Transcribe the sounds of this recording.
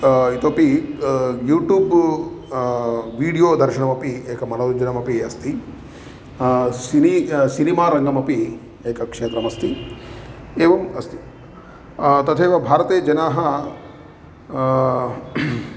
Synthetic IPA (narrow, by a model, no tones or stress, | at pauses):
it̪opi | juːʈjuːb | ʋiːɽijoːd̪ʱɐɾʃɐɳɐmɐpieːkɐmɐlɐd̪ud͡ʒɐnɐmɐpiɐst̪ʰi | sinisinimaːɾɐŋɡɐmɐpi | eːkɐkʂeːt̪ɾɐmɐst̪i | eːʋɐmɐst̪i̥ | t̪ɐt̪ʰeːʋɐbʱaːɾɐt̪eːd͡ʒɐnaːɦɐ